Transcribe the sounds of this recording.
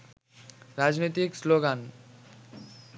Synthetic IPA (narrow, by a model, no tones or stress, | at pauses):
ɾad͡ʑnojt̪iksloɡan